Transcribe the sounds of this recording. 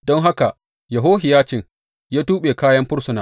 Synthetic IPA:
dɔ˦ŋɦa˦ka˨ | jɐ˨ɦoː˦hɪ˨jaː˦t͡ʃɪ˨ŋ | jaː˦tuː˦ɓeː˨kaː˦jɐ˦mɸʊ˦ɽsʊ˨naː˨

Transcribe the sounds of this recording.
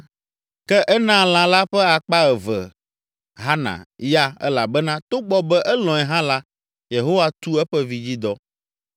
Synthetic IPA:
kɛ˦ʔɛ˦nã˦lã˨la˦ɸɛ˦a˨k͡pa˦ɛ˨vɛ̰˨ | ɦa˦nã̰˨ja˦ɛ̰˦la˨bɛ˦nã˦t̪o˦ɡ͡bɔ˦bɛ˦ʔɛ˦lɔ̃˨ɛ˨ɦã˦la˦ | je˨ɦo˦wa˦t̪u˦ɛ˦ɸɛ˦vi˨d͡ʑi˦d̪ɔ˦

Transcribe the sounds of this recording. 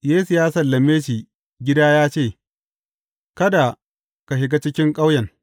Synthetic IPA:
jeː˦su˨jaː˦sɐ˨lːɐ˨meː˦ʃi˨ | ɡʲɪ˦daː˦jaː˦t͡ʃeː˦˨ | kɐ˦da˨ | ka˨ʃɪ˨ɡa˦t͡ʃɪ˦kʲɪ˦ŋkʼa˦wjɐ˨ŋ

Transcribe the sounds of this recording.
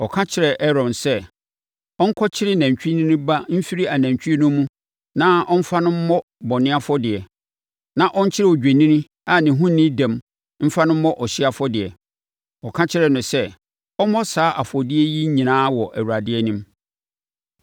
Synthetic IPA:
ɔ˨kʰã˦t͡ɕʰɪ˦ɾɛ˨ʔɛ˦ɾɔ̃˨nsɛ˦ | ɔ̃˦ŋ̩˦kʰɔ˦t͡ɕʰɪ˦ɾɪ˦næ̃˨ɲt͡ɕᶣi˦nĩ˦nʊ̃˦ba˦m̩˦fi˦ɾi˦a˨næ̃˨ɲ˨t͡ɕᶣi˦nʊ̃˦mũ˦ | nã˦ɔ˦m̩˦fa˦nʊ̃˦m̩˦mɔ˦ | bɔ˨nɪ̃˦a˦fɔ˦dɪ˨ɛ˨ | nã˨ʔɔ˦ɲ̩˦t͡ɕʰɪ˦ɾɛ˨ɔ˨d͡ʑᶣe˨nĩ˦nĩ˦ | a˨nɪ̃˨ɦũ˦nːɪ̃˦dɛ̃˨m | m̩˦fa˦nʊ̃˦m̩ː˦ɔ̃˦ʔɔ˨ɕɪ˦a˦fɔ˦dɪ˨ɛ˨ | ɔ˨kʰã˦t͡ɕʰɪ˦ɾɛ˨nʊ̃˨sɛ˦ | ɔ˦mɔ̃˦saː˨˦ʔa˨fɔ˨dɪ˦ɛ˦ji˦ɲĩ˨nãː˦wɔ˨ʔæ˨wu˨ɾa˨dɪ˦ɛ˦nĩ˦m

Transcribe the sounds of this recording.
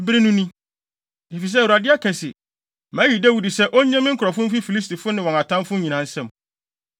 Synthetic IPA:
bɪ˦ɾɪ˦nʊ̃˦nĩ˦ | i˨fi˨s̬ɛ˦˨wu˨ɾa˨dɪ˦a˦kʰɛ˨sɪ˨ | mæ̃˦ɥi˨dæ˦wu˨di˨sɛ˦ʔɔ˦ɲɛ̃˦mɪ̃˦kʰʊ˨ɾɔ˨fʊ̃˦m̩˦fi˦fi˨li˦sti˨fʊ˦nɪ̃˨wɔ̃˨ŋa˨tʰã˦mfʊ̃˦ɲĩ˨nã˨n̩˦sɛ̃˦˨m

